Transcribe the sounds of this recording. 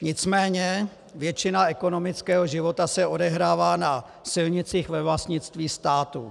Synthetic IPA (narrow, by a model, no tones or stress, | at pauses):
ɲɪt͡smɛːɲɛ | vjɛt͡ʃɪnaɛko̞no̞mɪt͡skɛːɦo̞ʒɪvo̞t̪asɛo̞dɛɦɾaːvaːna | sɪlɲɪt͡siːxvɛvlast̪ɲɪt͡st̪viːst̪aːt̪ṵ